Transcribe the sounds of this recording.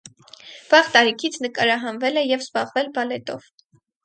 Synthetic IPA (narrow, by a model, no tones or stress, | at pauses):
v̥ɑʁt̪ɑɾikʰit͡sʰnəkɑɾɑɦɑnvɛlɛjɛvzbɑʁvɛlbɑlɛt̪ɔv